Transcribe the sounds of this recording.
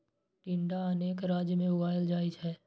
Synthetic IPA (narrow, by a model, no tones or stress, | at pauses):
ʈɪ̃ɳɖaəneːkɾaːd͡ʒjəmẽʊbaːɪld͡ʒaːid͡ʒɦɛː